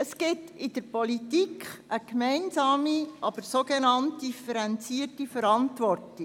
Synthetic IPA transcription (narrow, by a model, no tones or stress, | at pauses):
əskɪtɪd̥əɾpɔlitikχʔəkmɛɪnzɑːmiʔɑb̥əɾsoɡenɑnt̚d̥ifəɾɛnt͡siːərtifəɾɑntʋɔrti